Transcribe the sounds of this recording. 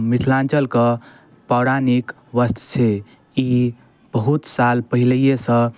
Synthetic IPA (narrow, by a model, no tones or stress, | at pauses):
misʰlãnt͡ʃəlkə̃ | pawɽanik | ʋəst̪ʰt͡ʃʰe | i | b̥əɦut̪salpəɦiləijesə̃